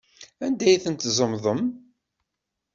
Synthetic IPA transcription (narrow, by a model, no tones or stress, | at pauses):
ænd̪æjθənt̪zˤəmðˤəm